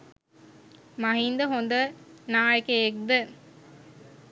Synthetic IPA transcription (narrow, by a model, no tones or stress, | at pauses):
mɐɦind̪əɦond̪ənaːjəkeek̚d̪ə